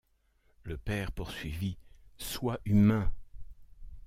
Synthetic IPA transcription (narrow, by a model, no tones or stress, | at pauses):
ləpɛʁpuʁsɥiviswaʔymɛ̃